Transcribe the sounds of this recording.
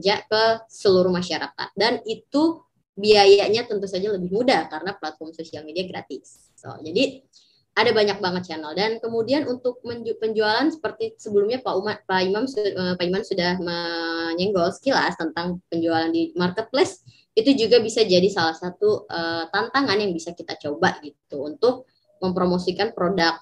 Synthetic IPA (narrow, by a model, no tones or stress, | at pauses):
d͡ʒaʔkəsəluɾuhmaʃaɾa̰ka̰t̪̚danit̪u | biajaʔɲat̪ənt̪usad͡ʒaləbɪhmudakaɾənaplat̪̚fɔrmsosialmediaɡɾa̰t̪ɪs | o̰d͡ʒadi | adabaɲak̚baŋət̪̚t͡ʃanaldankəmudianunt̪ʊk̚məpəɲd͡ʒualansə̥pərt̪isəbəlumɲapaupaimaməpaimansudahməɲɛŋɡɔlsə̥kila̰st̪ənt̪aŋpəɲd͡ʒualandimarkət̪̚plɛs | it̪ud͡ʒuɡabisad͡ʒadisalahsat̪uət̪ant̪aŋanjaŋbisakit̪at͡ʃobaʔɡit̪uunt̪ʊk̚ | məmpɾomosikanpɾodak̚